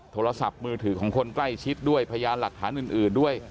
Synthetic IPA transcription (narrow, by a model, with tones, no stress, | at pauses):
t̪ʰoː˧ɾa˧sa˨˩p̚mɯː˧t̪ʰɯː˩˦˥kʰɔː˩˦ŋkʰo˧nkla˥˩jt͡ɕʰi˦˥t̪̚du˥˩əjpʰa˧a˧jaː˧mla˨˩k̚t̪ʰaː˩˦nʔɯː˨˩nʔɯː˨˩ndu˥˩əj